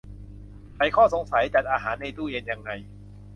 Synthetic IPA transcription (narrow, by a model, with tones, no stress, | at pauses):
pʰa˧˩jkʰɔː˥˩so˨˩˦ŋsa˩˦jt͡ɕa˨˩t̪̚ʔaː˧ɦaː˩˦nːa˧jt̪uː˥˩je˧nja˧ŋːa˧j